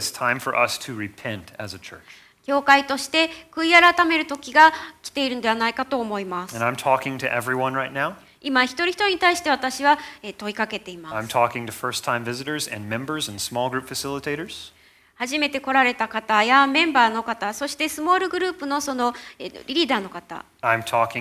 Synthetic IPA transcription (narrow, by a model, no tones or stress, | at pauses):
stʰãɪ̃ɱfə̰˞ʔʌstʰɨɹɪpʰɛ̃ntɨ̰zɨt͡ʃʰɜ̰˞t͡ʃ | kʲo̞ːkait̪o̞ɕi̥t̪e̞kɯ̟iaɾat̪ame̞ɾɯ̟t̪o̞kʲiɡakʲi̥t̪e̞iɾɯnod̪eanaikat̪o̞ːmo̞imasɨɨ̃nãɪ̃mtʰɔkɪ̃ŋtʰɨʔɛvɹiwʌ̃nɹaɪtⁿnaʊ | imaçi̥t̪oɾiçi̥t̪o̞ɾiɲit̪aiɕi̥t̪e̞βat̪aɕiβaet̪o̞ikake̞t̪e̞imasãɪ̃mtʰɔkɪ̃ŋtʰɨfɜ˞stʰãɪ̃ɱvɪzɨɾə˞zɨ̰̃nmɛ̃mbə˞zɨ̃nsmɔlˠɡɹʉpfɨsɪlˠətʰeɪɾə˞z̥ | haʑime̞t̪e̞ko̞ɾaɾe̞t̪akat̪ajamẽ̞mbaːno̞kat̪aso̞ɕi̥t̪e̞sɨmo̞ːɾɯ̟ɡɯ̟ɾɯ̟ːpɯ̟no̞so̞no̞̰ɾʲiɾʲid̪aːno̞kat̪a̰ | ãɪ̃mtʰɔkɪ̃